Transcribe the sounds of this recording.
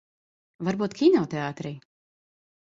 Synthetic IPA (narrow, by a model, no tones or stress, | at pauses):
vaɾbuːt̪kʰʲinɔːt̪ɛaːt̪ɾiː